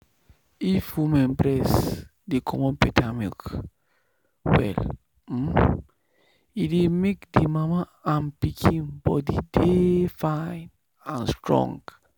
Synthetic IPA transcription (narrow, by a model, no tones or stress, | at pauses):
ifwumɛ̃nbɾɛs | dekʰɔmɔ̃npɛtʰamḭk | wɛ̰l̩ | idemekdemama | ãmpikʰĩnbɔdidefãn | ãnstɹɔ̰̃ŋɡ